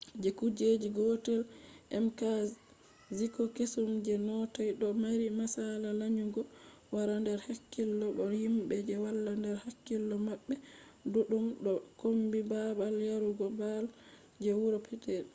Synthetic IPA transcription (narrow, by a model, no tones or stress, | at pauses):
d͡ʒɛkud͡ʒed͡ʒiɡɔtɛlʔɛmka | zikɔkesumd͡ʒɛnɔtajɗɔmaɾimasalalaɲuɡɔ | waɾandɛɾhakːilːɔɓɔhimbɛd͡ʒɛwalːandɛɾhakːilːɔmaɓːɛduɗumɗɔkombibabaljaɾuɡɔbal | d͡ʒɛwuɾɔpʰɛtɛl